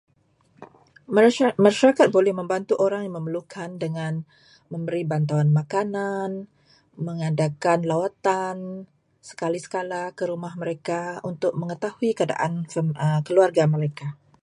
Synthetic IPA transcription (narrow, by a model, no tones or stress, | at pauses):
maʃaɾakat̪̚bolɛhməmbant̪uʔoɾaŋjaŋməməlukʰandəŋan | məmbəɾibant̪awanmakanan | məŋadakanlawat̪an | sə̥kalisə̥kalakəɾumahməɾekaunt̪ʊk̚məŋət̪ahuikəada̰ʔanfəkəluarɡaməɾeka